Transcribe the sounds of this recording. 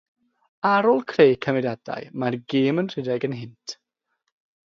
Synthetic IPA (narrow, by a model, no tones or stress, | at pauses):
aɾɔlˠkʰrejkʰəmɪdada̰jmarɡeːmənr̥ɪdɛɡənɦɪntʰ